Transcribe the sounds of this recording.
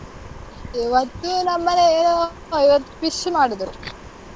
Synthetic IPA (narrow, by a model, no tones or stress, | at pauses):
iʋɐt̪ːunɐmːɐneeːnoː | iʋɐt̪ːu̥piʂmaːɽid̪ɾu